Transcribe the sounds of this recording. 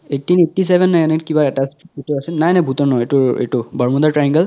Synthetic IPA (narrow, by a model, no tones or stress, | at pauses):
etːineʈːisebʱɛnːajnakibaɛtasetuasɛnajnajbʱut̪ɔnɔetuḛtubʱɔɹmɔd̪aʈɹajiŋɡəl